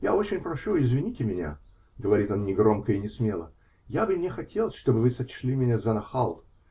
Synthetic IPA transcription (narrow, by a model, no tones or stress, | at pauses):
jao̞t͡ɕɪnʲpɾɐʂuɪzvʲɪnʲitʲɪmʲɪnʲa̰ | ɡəvɐɾʲit̪o̞nnʲɪɡɾo̞mkəɪnʲɪsmʲe̞lˠə̰ | jabɨnʲɪxɐtʲelˠəsʲʂt̪o̞bɨvɨsɐt͡ɕlʲimʲɪnʲazɐnɐxalˠt̪